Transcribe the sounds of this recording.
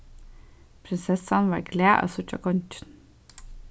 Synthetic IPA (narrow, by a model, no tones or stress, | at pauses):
pʰɾɪnsɛsɑnʋɑ̰ːɾɡleːʔɑ̰ːsʊt͡ʃɑ̰kʰɔnt͡ʃən